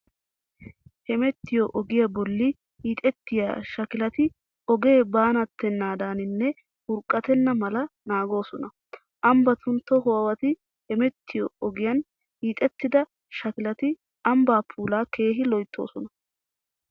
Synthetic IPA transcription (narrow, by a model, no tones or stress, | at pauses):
hɛmɛt̪ːɪjɔʔɔɡɪjɐbɔlːɪ | hiːt̪ʼɛt̪ːɪja̰ʃɐkɪlɐt̪ɪ | ɔɡe̞ːbaːnɐt̪ːɛnːaːd̪aːnɪnːɛ | hʊɾkʼːɐt̪ɛnːɐmɐlɐnaːɡo̞ːsɔnɐ | ʔɐmbɐt̪ʊnt̪ːɔɦɔwɐwɐt̪ɪ | hɛmɛt̪ʰːɪjɔɔɡɪjɐn | hiːt̪ʼɛt̪ːɪd̪ɐ | ʃɐkɪlɐt̪ɪ | ɐmbaːpʰuːlaːkʰe̞ːɦɪlɔjt̪ʰːoːsɔnɐ